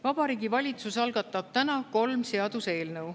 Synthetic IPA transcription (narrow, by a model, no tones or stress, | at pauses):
vɑb̥ɑɾiːɡivɑlʲit̪susɑlɡ̥ɑt̪ːˑɑb̥̚t̪ænɑko̞lmse̞ɑd̪use̞ːlnɤw